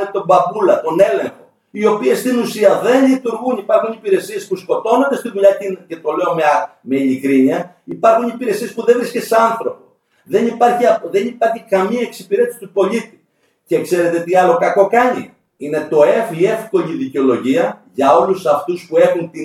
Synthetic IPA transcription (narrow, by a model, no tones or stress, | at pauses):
nit̪o̞mbɐbulɐt̪o̞ne̞le̞ŋxo̞ | io̞pie̞st̪inusiɐðe̞nʎit̪uɾɣunipɐɾxunipiɾe̞sie̞spusko̞t̪o̞nod̪e̞st̪iðuʎɐtince̞t̪o̞le̞omeme̞iʎikɾiɲiɐ | ipɐɾxunipiɾe̞sie̞spuðe̞vɾiskese̞ɐnθɾo̞po̞ | ðe̞nipɐɾçiɐðe̞nipɐɾçikɐmiɐeksi̥piɾe̞t̪isi̥t̪upo̞ʎit̪i̥ | ce̞kse̞ɾe̞t̪e̞t̪iɐlo̞kɐko̞kɐɲḭ | ine̞t̪o̞e̞fie̞fko̞ʎiðiceo̞lo̞ʝiɐʝɐo̞lusɐft̪uspue̞xunt̪i